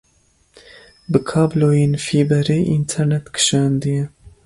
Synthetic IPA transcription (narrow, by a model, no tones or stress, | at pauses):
bɨkʰɑːbloːjeːnfiːbɛɾeːʔint̪ʰɛɾnɛt̪kʰɨ̥ʃɑːnd̪ɨjɛ